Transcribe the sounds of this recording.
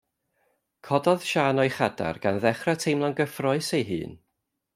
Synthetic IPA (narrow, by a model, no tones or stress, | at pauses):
kʰɔdɔð̥ʃaːnɔɨχada̰rɡ̥anðɛχratʰejmlˠanɡəfrɔɨsejɦɨ̰ːn